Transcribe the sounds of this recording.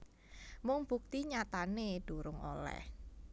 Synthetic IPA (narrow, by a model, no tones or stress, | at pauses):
mʊŋb̥uk̚t̪iɲat̪aned̥uɾʊŋo̰lɛ̰h